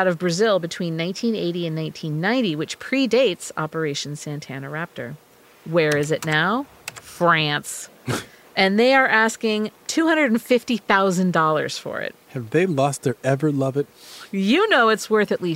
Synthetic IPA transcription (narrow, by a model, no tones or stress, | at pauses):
ʊɾʌvbɹɨzɪlˠbɨtʰw̥ĩnːãɪ̃ntʰĩnḛɪɾiɨ̃nːãɪ̃ntʰĩnːãɪ̃ntiwɨt͡ʃpʰɹ̥ideɪtsɑ̰pə˞eɪʃn̩sæ̃ntʰænəɹæp̚tə̰˞ | wə˞ɪzɨtⁿnaʊ | fɹæ̃ns | ʔɨ̃nðeɪə˞ʔæskɪ̃ŋtʰʉhʌ̃ndɹəɾn̩fɪftiθaʊzɨ̃ndɔlˠə̰˞z̥fə̰˞ɪ̰t̚hɨvðeɪlɔst̪̚ðə˞ɛvə˞lʌvɨt̚jɨnoʊɨtswɜ˞θɨʔˡli